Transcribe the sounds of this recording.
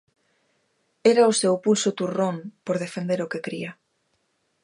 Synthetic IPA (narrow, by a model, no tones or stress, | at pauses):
eɾaʊsewpulsʊt̪urompoɾð̞efend̪eɾokekɾiɐ